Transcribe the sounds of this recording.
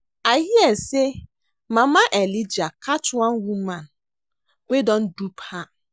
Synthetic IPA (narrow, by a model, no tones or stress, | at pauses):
ahiɛse | mãmãʔɛlid͡ʒakʰatʊãnwumãn | wedɔ̃ndupha